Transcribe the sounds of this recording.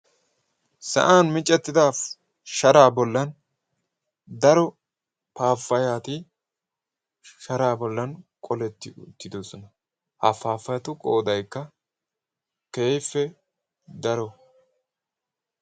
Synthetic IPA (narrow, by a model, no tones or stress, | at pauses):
sɐ̰ʔaːnmɪt͡ʃʼːɛt̪ːɪd̪aːf | ʃɐɾaːbɔlːɐn | d̪ɐɾɔ | paːfːɐjaːt̪ɪ | ʃɐɾaːbɔlːɐnkʼɔlɛt̪ːɪt̪ːɪd̪osɔnɐ | hɐfaːfːɐjɐt̪ʊkʼoːd̪ɐjkːɐ | ke̞ːjfːɛ | d̪ɐɾɔ